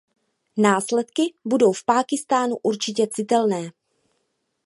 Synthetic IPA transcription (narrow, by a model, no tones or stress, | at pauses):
naːslɛt̪kɪbudo̞wfpaːkɪst̪aːnuʔuɾt͡ʃɪcɛt͡sɪt̪ɛlnɛː